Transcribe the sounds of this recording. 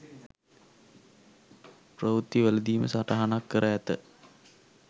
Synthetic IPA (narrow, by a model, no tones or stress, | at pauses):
prəʋut̪ːiʋæləd̪iːmə̰saʈaɦanakːəɾʔəæt̪ə